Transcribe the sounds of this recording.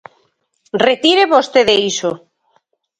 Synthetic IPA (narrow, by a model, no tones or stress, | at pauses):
ret̪iɾeβost̪eðeiso